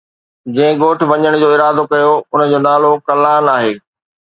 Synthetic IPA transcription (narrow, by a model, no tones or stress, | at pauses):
d͡ʑɐ̃ɦɪ̃ɡoːʈʰʋɐɲəɽ̃d͡ʑoːɪɾaːd̪okɐjoʊnəd͡ʑoːnaːlokɐlaːnaːɦeː